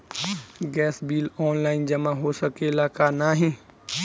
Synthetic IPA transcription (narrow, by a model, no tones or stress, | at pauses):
ɡɛːsbiːlɔːnlaːɪnd͡ʒəmãɦosəkelaːkanaːɦĩː